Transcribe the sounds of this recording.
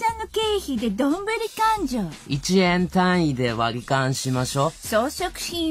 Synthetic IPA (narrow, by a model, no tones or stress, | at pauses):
anːoke̞ːçid̪e̞d̪õmbɯ̟ɾʲikãɲd͡ʑoːit͡ɕiẽnt̪ãɰ̃id̪e̞βaɾʲikãɰ̃ɕimaɕo̞soːɕokɯ̟̥çĩ